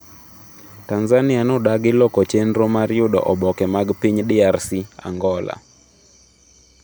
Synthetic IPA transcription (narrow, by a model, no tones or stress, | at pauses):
tanzanɪanodaɡɪlɔkot͡ʃenɾomaɾjʊdɔ̰ʔɔbɔkɛmaɡpiɲdɪarsia̰ŋɡɔla̰